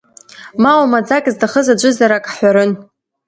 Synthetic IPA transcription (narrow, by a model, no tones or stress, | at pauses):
mawamad͡zakʼzdaχəzad͡ʒʷɨzaɾakʼħʷᶣaɾɨn